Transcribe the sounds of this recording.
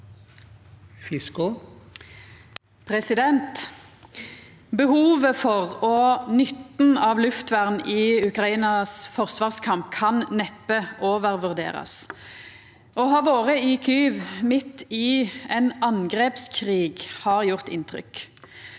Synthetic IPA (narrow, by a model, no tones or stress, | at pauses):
fɪskʊ | pʰʁɛsɪd̪ɛnt̪ | bəhuːʋəfɔʁɔnʏt̪n̩ɑːʋlʉft̪ʋæʁnɪːʉkʁɑiːnɑsfɔʁsʋɑːʁskʰɑmp̚kʰɑnnɛpːəʔoːʋəʁʋʉʁd̪ḛːʁɑ̰s | ɔɦɑːʋoːʁəikʰyːʋmɪt̪ːɪɛnɑnɡʁɛːpskʰʁiːɡhɑːʁjʊʁt̪ɪnt̪ʁʏ̰k